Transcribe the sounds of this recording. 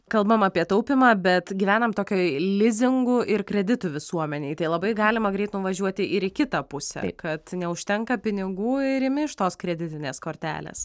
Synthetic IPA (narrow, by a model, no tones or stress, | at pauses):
kɐlˠbɐmɑːpʲiɛt̪ɐʊpʲɪmɑːbʲɛt̪ɡʲiʋʲæːnɐmt̪oːkʲoːlʲɪzʲɪŋɡʊʔɪɾkɾʲɛd̪ʲɪt̪ʊʋʲɪsuɔmʲɛnʲeɪt̪ɐɪlˠɐbɐɪɡɑːlʲɪmɐɡɾʲɛɪt̪nʊʋɐʒʲuɔt̪ʲɪʔɪɾɪkʲɪt̪ɐpʊsʲɛ̰kɐt̪nʲɛʊʃʲt̪ʲɛŋkɐpʲɪnʲɪɡuːɪɾɪmʲɪɪʃt̪oːskɾʲɛd̪ʲɪt̪ʲɪnʲeːskoːɾʲt̪ʲæ̰ːlʲḛːs